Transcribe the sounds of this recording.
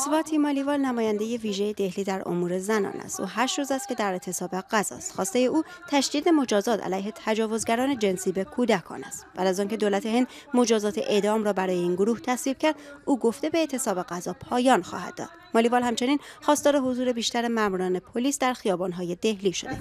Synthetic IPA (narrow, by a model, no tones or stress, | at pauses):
svɒt̪ʰiːmɒːlivɒːlnæmɒːjænd̪e̞je̞viːʒejed̪e̞hliːd̪æɾo̰muːɾe̞zænɒ̰ːnæ̰st̪ʔṵːɦæʃɾuːzæst̪̚cʰe̞d̪æɾet̪ʰe̞sɒːbe̞ɢæzɒ̰ːst̪xɒːst̪e̞je̞ʔuː | t̪ʰæʃd̪iːd̪e̞mo̞d͡ʒɒːzɒːt̪ʰæ̰læjɦe̞t̪ʰæd͡ʒɒːvo̞zɡæɾɒːne̞d͡ʒe̞nsiːbe̞kʰuːd̪ækʰɒ̰ːnæ̰st̪b̥æːd̪æzɒːncʰe̞d̪oːlæt̪ʰehe̞nd̪ | mo̞d͡ʒɒːzɒːt̪ʰeʔe̞d̪ɒːmɾɒːbæɾɒːje̞iːnɡoɾuːht̪ʰæsviːb̥cʰæɾd̪̥uːɡo̞ft̪e̞be̞ːt̪ʰe̞sɒːbe̞ɣæzɒːpʰɒːjɒːnxɒ̰ːhæ̰d̪̥̚dːɒ̰ːd̪̥mɒlivɒːlhæmt͡ʃe̞niːnxɒːst̪ɒːɾe̞ɦozuːɾe̞biːʃt̪æɾemæmuːɾɒːne̞pʰoliːsd̪æɾxijɒːbɒnɦɒːje̞d̪e̞hliːʃo̞̰d̪e